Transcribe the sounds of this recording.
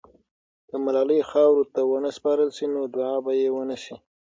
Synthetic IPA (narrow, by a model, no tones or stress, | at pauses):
d̪̥əmalɑləjxɑwɾot̪awənəspɑɾəlʃinod̪ʊʕɑbajewənəʃi